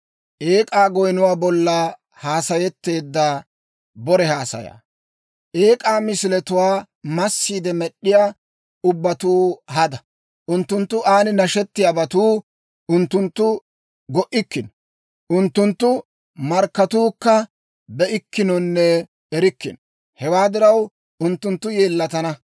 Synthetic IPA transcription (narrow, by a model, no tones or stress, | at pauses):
ʔeːkʼaːɡɔjnʊwaːbɔlːɐ | haːsɐjɛt̪ːe̞ːd̪ːa | bɔɾɛhaːsɐ̰ja̰ː | ʔeːkʼaːmɪsɪlɛt̪ʊwaː | mɐsːiːd̪ɛmɛɗːɪjaː | ʊbːɐt̪uːhɐd̪ɐ | ʔʊnt̪ːʊnt̪ːʊʔaːnɪnɐʃɛt̪ːɪjabɐt̪uː | ʔʊnt̪ːʊnt̪ːʊ | ɡɔʔɪkːɪnɔ | ʔʊnt̪ːʊnt̪ːʊ | mɐɾkːɐt̪uːkːɐ | bɛʔɪkːɪnɔnːɛ | ɛɾɪkːɪ̰n | hɛwaːd̪ɪɾɐw | ʊnt̪ːʊnt̪ːʊje̞ːlːɐt̪ɐnɐ